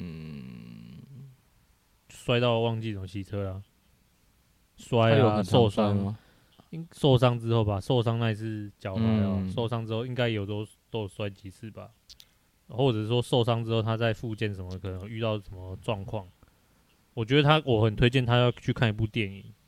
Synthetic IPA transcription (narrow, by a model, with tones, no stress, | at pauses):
n̩˥˩ | swa˥ɪt̪ɑ˥˩ʊwɑ˥˧ŋt͡ɕi˥˨sə˩˨ɕʰi˧˥t͡sʰɤ˦la˨ | swa˦˥ɪ˨o˥˧ʊswa˦ŋ | so˥˨ʊʂ̬ɑ˥ŋt͡sɻ̩˥˦xo˥˩ʊba˨so˥˧ʊsɑ˥˦ŋna˥˧i˨˩t͡s̩ʰ˥˨t͡ɕjɑ˨˩ʊtʰa˨˦ɪɔ˨so˥˩ʊsɑ˥˦ŋt͡sɻ̩˥xo˥˩ʊi˦˥ŋka˥˦ɪjo˨˩ʊt̪o˥ | t̪o˥˨˩swa˥ɪt͡ɕi˧˥s̩ʰ˥˩ba˩ | xwɔ˥˩t͡sɤ˨˩˥ʂwɔ˦so˥˧ʊsɑ˥ŋt͡sɻ̩˥xo˥˩ʊt̪ʰa˥t͡sa˥˧ɪfu˥˧t͡ɕjɛ˥˨˩nʂə˨˩nmə˧kʰə˨˩nə˦ŋ˨˩y˥˧t̪ɑ˥˩ʊʂə˨˩nmə˩ʈ͡ʂwɑ˥˧ŋkʰwɑ˥˨˩ŋ | wɔ˨˩t͡ɕɥɛ˧˥d̪ə˧t̪ʰa˦˥wɔ˨˩xə˨˩nt̪ʰwe˥ɪt͡ɕjɛ˥˨nt̪ʰa˦˧˥t͡ɕʰy˥˧kʰa˥ni˧˥pu˥˧t̪jɛ˥˨˩ni˨˩˦